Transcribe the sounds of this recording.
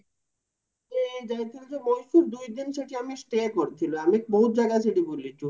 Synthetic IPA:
ed͡ʑajt̪ʰilod͡ʑemojʃuɾd̪ujd̪inʃeʈiamisʈekoɾet̪ʰiloamiek̚boɦut̪̚d͡ʑaɡasiʈibolːid͡ʑu

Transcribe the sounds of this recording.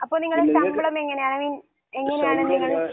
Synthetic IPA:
ɐpːoːniŋːɐɭɽesɐmbɭɐmeŋːɐnejaːɳɨʋin | eŋːɐnejaːɳɨnniŋːɐɭe

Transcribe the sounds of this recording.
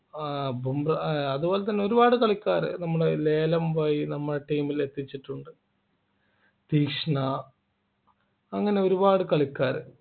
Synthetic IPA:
bʱumrɐɐðubo̞ːlet̪ɐnːe̞o̞ɾubaːɽɨkɐɭikʲːaːɾɨ̰nɐmːuɽele̞ːlɐmʋaːjinɐmːɐɽɐʈiːmile̞t̪ːit͡ɕːiʈːuɳɖɨ | t̪iːkʂɳɐ | ɐŋːɐne̞o̞ɾubaːɽɨkɐɭikʲːaːɾɨ

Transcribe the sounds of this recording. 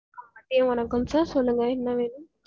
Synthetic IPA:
ɐmɐʈːɪjɐ̃ʋɐnɐkːɯmsaːɾsɔlːɯŋɡɐɛnːɐʋeːnɯm

